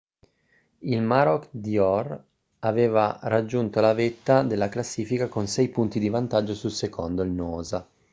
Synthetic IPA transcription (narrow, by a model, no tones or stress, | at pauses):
ilmaɾɔkd̪iɔr | aveːvarad͡ʒːunt̪olavet̪ːad̪elːaklasːiːfikakonsɛjpunt̪id̪ivant̪ad͡ʒːosulsekʰond̪oilnɔːza